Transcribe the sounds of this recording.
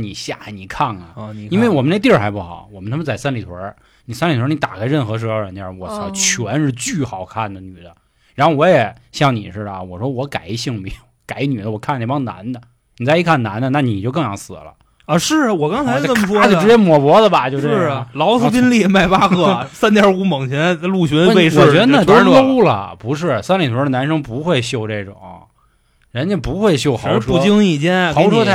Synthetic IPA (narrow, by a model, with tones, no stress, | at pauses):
ni˨˩ɕja̰˥˩ni˨˩kʰa˥˩nə̰˩i˥nwe˥˩ɪwɔ˨˩mə˦ne˥t̪̬i˥˩xa˧˥ɪpu˥˩xɑ̰˨˩˦ʊwɔ˨˩mənʰ˥m˧t͡sa˥˩ɪsa˥nli˨˩t̪ʰwɐ̰˧˥ | ni˨˩sa˥nli˨˩wə˧˥ni˧˥t̪a̰˨˩kʰa˥ɪɻə˥˩nxɤ˧˥ʂ̬̩˧˥˧ɻə˧˥nt̪ja̰˧˥˩wɔ˧˩s̩˧˥t͡ɕʰɥɛ˧˥nʂɻ̩˥˧t͡ɕy˥˩xɑ˨˩ʊkʰa˥˩nd̪ə˩ny˨˩d̪ə˦ | ɻa˧˥nxo˥˧wɔ˧˥jɛ˨˩ɕjɑ˥˩ŋnḭ˨˩ʂɻ̩˥˩bwɔ˨˩ʂwɔ˥wɔ˧˥ka˨˩ɪ˧˥ɕi˥˩ŋme˧˥ɪjojʊka˧˩˥ɪ˥ny˨˩d̪ə˧wɔ˨˩kʰa˥˩nɛ˧˩ɑ˥ŋna̰˧˥nd̪ə˧ | ni˨˩t͡sa˥˧ɪi˥kʰa˥˩na˧˥nd̪ə˧na˥˩ni˨˩t͡ɕjo˥˧ʊk̬ɤ˥˧ŋjɑ˧˥ŋsɹ̩˨˩lə̰˦ | ə˧ʂɻ̩˥˩wɔ˨˩kɑ˥ŋxa˧˥˧jnə˥˩mə˩ʂɔ˥t͡ɕjo˥˩ʈ͡ʂɻ̩˧˥t͡ɕjɛ˥nmwɔ˨˩pwɔ˧˥d̪ə˨bɐ˨t͡ɕjo˥˧ʊʂɻ̩˥˧˥lɑ˧˥ʊsɹ̩˥˧˥pi˥nli˥˩ma˥˩ɪpa˥xɤ˥˩sa˥nt̪jə˧˥u˧˥mɤ˨˩ŋt͡ɕʰi˨˧˥lu˥˩ɕɥɛ˧˥pe˥˧ɪʂw̩˨˩ɥɛ˧˥d̪ə˧n˥a˥˩t̪o˥ʂ̩˥˧˥lo˥lə̰˨˩pu˧˥ʂ̬ɻ̩˥˩sa˥nli˨˩t̪ʰu˧˥ə˧na˧˥nʂɤ˥ŋpu˧˥xwe˥˧ɪɕjo˥˧ʊʈ͡ʂe˥˩ɪʈ͡ʂʊ̰˨˩˦ŋɐ̰˧˩ | ɻə˧˥nt͡ɕʰɛ˧˥pu˧˥xwe˥˧ɪɕjo˥˩ʊxɑ˨˩˧ʊ˥ʂu˧˩t͡ɕi˥ŋi˥˩t͡ɕjɛ˥nʰɑ˧˥wɔ˥